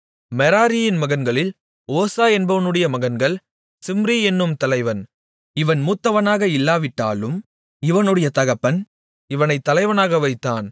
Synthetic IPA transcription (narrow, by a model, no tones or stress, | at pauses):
mɛɾaːɾɪjɪnmɐɣɐnɡɐɭɪl | oːsaːɛnbɐʋɐnɯɽɐjɐmɐɣɐnɡɐɭ | sɪmɾiːɛnːɯmt̪ɐlɐɪʋɐn | ɪʋɐnmuːt̪ːɐʋɐnaːɣɐɪlːaːʋɪʈːa̰ːlɯm | ɪʋɐnɯɽɐjɐt̪ɐɣɐpːɐn | ɪʋɐnɐɪt̪ːɐlɐɪʋɐnaːɣɐʋɐɪt̪ːaːn